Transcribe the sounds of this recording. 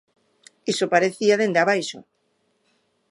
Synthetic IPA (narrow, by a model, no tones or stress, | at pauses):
isopaɾeθiaðend̪eaβajʃo̰